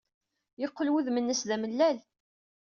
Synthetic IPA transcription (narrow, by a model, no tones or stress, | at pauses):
jəqːlwuðmənːəsðæməlːæl